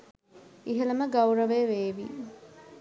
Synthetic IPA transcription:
iɦeləməɡɐwɾəʋeːʋeːʋḭː

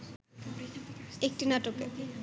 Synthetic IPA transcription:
ek̚ʈinaʈoke

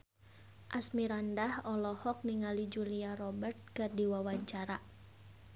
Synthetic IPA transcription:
ʔasmiɾandahɔlɔhɔk̚niŋalid͡ʒuliarɔbərt̪̚kɨrdiwawaɲt͡ʃaɾa

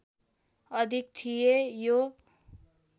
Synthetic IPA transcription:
ʌd̪ʱik̚t̪ʰijejo

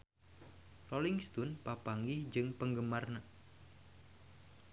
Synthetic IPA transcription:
rolɪŋst̪ʊnpapaŋɡɪhd͡ʒɨŋpəŋɡəmarna

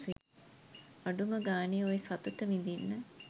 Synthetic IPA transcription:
aɖuməɡaːneojesɐt̪uʈəmind̪inːə

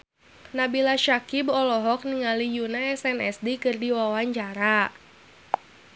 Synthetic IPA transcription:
nabilaʃakibɔlɔɦɔk̚niŋalijunaɛsɛnɛsdikɨrdiwawaɲt͡ʃaɾa

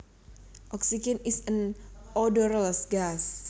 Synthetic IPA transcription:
ʔɔksid͡ʒɛnisənɔdɔɾəlsɡas

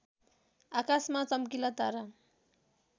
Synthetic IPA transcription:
akasmat͡sʌmkilʌt̪aɾa

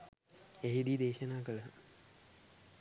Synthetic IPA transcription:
eɦid̪id̪eːʃənaːkələ

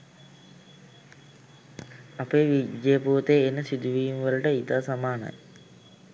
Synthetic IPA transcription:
apeːʋid͡ʒejəpuːt̪eːnːəsid̪uʋiːmʋələʈəit̪aːsamaːna̰j

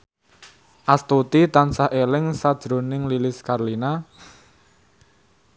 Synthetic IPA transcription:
ʔast̪ut̪it̪ansaʔelɪŋsad̥ʒ̥ɾo̤nɪŋlilɪskarlina

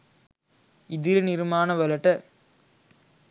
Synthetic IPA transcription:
ɪðɪɾɯnɪɾmaːnɐʋɐlɐʈːɐ

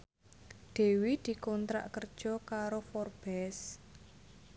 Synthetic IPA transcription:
d̪̥e̤wid̪̥i̤kɔnt̪ɾa̰ʔkərd̥ʒ̥ɔ̤kaɾofɔrb̥ɛs

